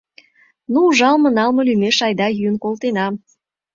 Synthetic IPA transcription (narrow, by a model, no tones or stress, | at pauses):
nuːʒɑlˠmə̆nɑlˠmɤ̆lymeʃɑjd̪ɑjyənkolˠt̪enɑm